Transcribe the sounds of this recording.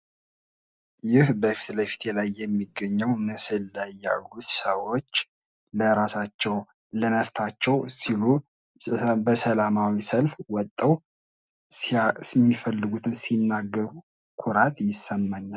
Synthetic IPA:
jɪhbəfi̥t̪ləjfi̥t̪ʰelajːɛmːiɡːəɲːɛwnɨsɨlːajːa̰lːut̪səwot͡ʃː | ləɾasat͡ʃːɛw | ləməft̪ʰat͡ʃːɛwsilu | bəsəlamawisəlfwɔt̪ʼːəw | smːifəlːɨɡut̪ʰɨnsinːaɡːəɾu | kʰuɾat̪ʼjɪsːəmːaɲːal

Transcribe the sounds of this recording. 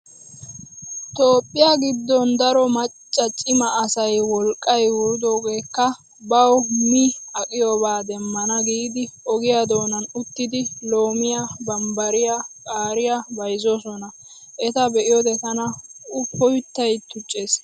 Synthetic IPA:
t̪o̞ːpʼːɪjaɡɪd̪ːɔnd̪ɐɾɔmɐt͡ʃʼːɐt͡ʃʼɪmɐːsɐjwɔlkʼːɐjwʊɾʊd̪oːɡe̞ːkːɐ | bɐwmiɐkʼɪjɔbaːd̪ɛmːɐnɐɡiːd̪ɪʔɔɡɪjad̪o̞ːnɐnʊt̪ːɪd̪ɪlo̞ːmɪjabɐmbɐɾɪjakʼaːɾɪjabɐjzɔsɔnɐ | ʔɛt̪ɐbɛʔɪjɔd̪ɛt̪ɐnɐʊpːɔjʊt̪ːɐjt̪ːʊt͡ʃʼːeːs

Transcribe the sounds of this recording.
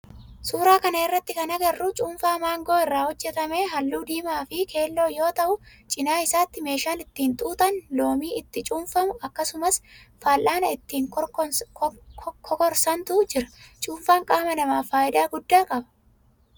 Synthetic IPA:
suːɾaːkɐnɐɪrːɐt̪ːɪkɐnɐɡɐrːʊt͡ʃʼuːnfaːmaːŋɡo̞ːɪrːaːhɔd͡ʒːɛt̪ɐme̞ːɦɐlːuːd̪iːmaːfɪkʰe̞ːlːo̞ːjo̞ːt̪ɐʔʊt͡ʃʼɪnaːɪsaːt̪ːɪme̞ːʃaːnɪt̪ːiːnt̪ʼuːt̪ɐnlo̞ːmiːɪt̪ːɪt͡ʃʼuːnfɐmʊʔɐkːɐsʊmɐs | faːlʔaːnɐɪt̪ːiːŋk | kʰɔkɔɾsɐnt̪ʊd͡ʒɪɾɐ̥t͡ʃʼuːnfaːŋkʼaːmɐnɐmaːfaːɪd̪aːɡʊd̪ːaːkʼɐbɐ̥

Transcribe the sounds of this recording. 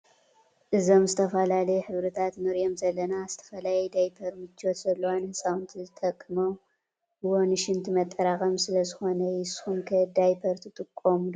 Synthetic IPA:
ʔɨzo̞mzɨt̪ʰɐfɐlalɐjɛħɨβɾɐt̪ʰat̪nɨɾjo̞mzɐlːɐnazɨt̪ʰɐ̥fɐlajɛd̪ajpʰɐɾmɨt͡ʃʰːot̪z̥ɐlːɐwanhɨsʼawɨnt̪ʰizɨt̪ʰɐkʼːɨmo | bɨwonɨʃɪnt̪ʰimɐt̪ʼːɐɾaχʼɐmsɨlɐzɨxo̞nɐjɪshumkʰɐd̪ajpʰɐɾt̪ʰɨt̪ʼɨkʼːomlo

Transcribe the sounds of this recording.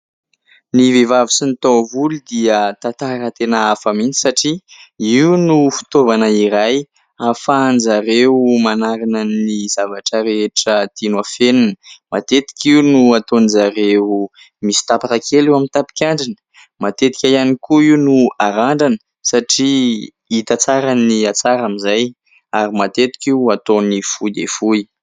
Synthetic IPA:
nivevavisinit̪ovulid̪iət̪at̪aɾət̪enaafamint͡si̥saʈ͡ʂiiwunufi̥t̪ovanəiɾaj | afand͡zzaɾewmanaɾinənizavaʈ͡ʂəɾeeʈ͡ʂət̪inuafeninə̥mat̪et̪i̥kʲiunuat̪onizaɾe | misi̥t̪apaɾakʰelewamint̪api̥kʲaɳɖ͡ʐinə̥ | mat̪et̪i̥kʲajanikuiunuaɾaɳɖ͡ʐanə̥ | saʈ͡ʂi | it̪at͡saɾaniat͡saɾamizaj | aɾimat̪et̪i̥kʲiuat̪onifud̪ḛfui

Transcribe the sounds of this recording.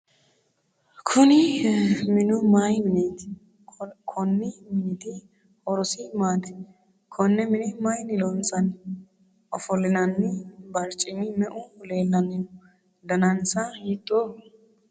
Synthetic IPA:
kʰʊnɪ | mɪnʊmajmɪnet̪ | kʰɔnːɪmɪnɪt̪ɪ | ɔɾɔsɪmaːt̪ɛ̥ | kʰɔnːɛmɪnɪmɐjnɪlɔnsʼɐn | ʔɔfɔlːɪnɐnːɪbɐɾt͡ʃʼːɪnɪmɛʔʊle̞ːlːɐnɪjɔ | d̪ɐnɐnsɐjɪt̪ʼːoː

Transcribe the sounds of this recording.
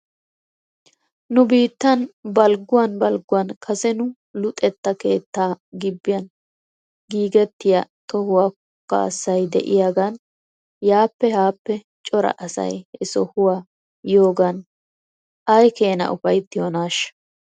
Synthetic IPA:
nʊbiːt̪ːɐnbɐlɡʊwɐnbɐlɡʊwɐnkʰɐsɛnʊ | lʊt̪ʼɛt̪ːɐke̞ːt̪ːaːɡɪbːɪjɐn | ɡiːɡɛt̪ːɪjɐt̪ɔhʊwaːkɔkːɐ̰ɐ̰sːɐjd̪ɛ̰ʔɪjaːɡɐn | jaːpːɛhaːpːɛ | t͡ʃʼɔɾɐ̰ʔɐsɐ̰jɛsɔhʊwaː | jo̞ːɡɐn | ʔɐjke̞ːnɐ̰ʔʊfɐjt̪ːɪjonaːʃɐ̥

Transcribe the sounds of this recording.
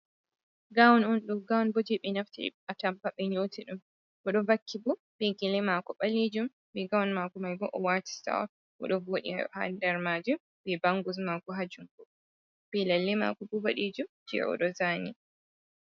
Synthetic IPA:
ɡawnunɗuɡawnbɔd͡ʒɛɓɛnaftḭʔatampaɓɛɲoːtʰiɗum | bɔɗɔvakːibɔ | bɛɡilɛmakɔɓaled͡ʒum | bɛɡawnmaɡumajbɔʔɔwati̥sta̰ɔ̰ | ɔ̰ɗɔvoɗḭa̰ha̰ndɛɾmaːd͡ʒum | bɛbaŋɡus̬maɡuɦad͡ʒumbɔ | b̥ɛlalːima̰ːkɔbubaɗid͡ʒum | d͡ʒɛ̰ɔ̰ɗɔzaːni

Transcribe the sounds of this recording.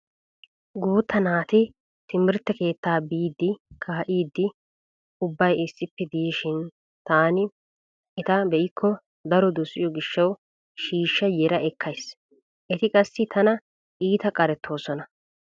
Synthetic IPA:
ɡuːt̪ːɐnaːt̪ɪ | t̪ɪmɪɾt̪ːɛke̞ːt̪ːaːbiːd̪ːɪkʰaːɐʔiːd̪ːɪ | ʊbːɐjɪsːɪpːɛd̪ɪjiːʃɪn | t̪aːnɪ | ɪt̪ɐbɛʔɪkʰːɔ | d̪ɐɾɔd̪ʊsɪ̰jɔɡɪʃːɐw | ʃiːʃːɐjɛɾɐʔɛkʰːɐjs | ʔɛt̪ɪkʼɐsːɪt̪ʰɐnɐ | ʔiːt̪ɐkʼɐɾɛt̪ʰːo̞ːsɔnɐ

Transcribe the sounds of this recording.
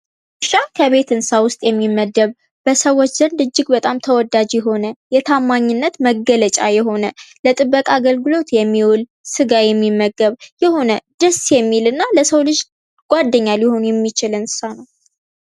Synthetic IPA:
ɨʃakʰəβe̞t̪ɨnsawʊst̪ʼjɛmːimːəd̪ːəβ | b̥əsəwːot͡ʃːzənd̪ɨd͡ʒːɪɡbət̪ʼamt̪ʰəwɔd̪ad͡ʒjɛɦo̞nəjɛt̪ʰamːaɲːɪnːət̪məɡələt͡ʃʼa̰jɛɦo̞nələt̪ʼɨbːəkʼaɡəlɡɨlo̞t̪jɛmːiwɔl | sɨɡajɛmːimːəɡːəβjɛho̞nəd̪̥əsjɛmːilɨnːaləsəwlɨd͡ʒ | ɡ̥ʷad̪ːəɲːaljɪho̞njɛmːit͡ʃɪlɨnsanəw

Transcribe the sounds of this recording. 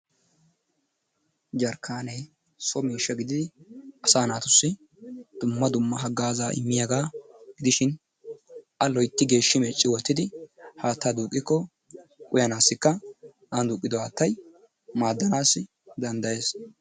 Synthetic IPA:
d͡ʒɐɾkʰːaːneː | sɔmiːʃːɐɡɪd̪ɪd̪ɪɐsaːnaːt̪ʊsːɪ | d̪̥ʊmːɐd̪ʊmːɐɦɐɡaːzaːʔɪ̰mːɪjaɡaːɡ̥ɪd̪ɪʃɪn | ʔɐlɔjt̪ːɪɡe̞ːʃːɪmɛt͡ʃʼːɪwɔt̪ːɪd̪ɪhaːt̪ːaːd̪uːkʼːɪkːɔ | kʼʊjɐnaːsːɪkːɐ | and̪uːkʼːɪd̪ɔhaːt̪ːɐj | maːd̪ːɐnaːsːɪ | d̪ɐnd̪ɐje̞ːs

